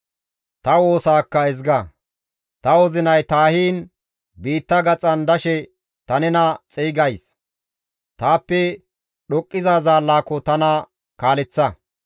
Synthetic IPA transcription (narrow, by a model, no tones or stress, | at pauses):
t̪ɐwo̞ːsaːkːɐɛzɡɐ | t̪ɐwɔzɪnɐjt̪aːhiːn | biːt̪ːɐɡɐt͡sʼɐnd̪ɐʃɛ | t̪ɐnɛnɐt͡sʼɛːɡɐjs | t̪aːpːɛ | ɗɔkʼːɪzaːzaːlːaːkːɔt̪ɐnɐ | kaːlɛt͡sːɐ